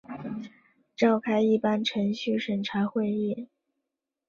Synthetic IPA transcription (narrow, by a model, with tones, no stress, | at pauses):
ʈ͡ʂɑ˥˩ʊkʰa˥ɪi˥˩pa˥nʈ͡ʂʰɤ˧˥ŋɕy˥˩ʂə˨˩nʈ͡ʂʰa˧˥xwe˥˧ɪi˥˩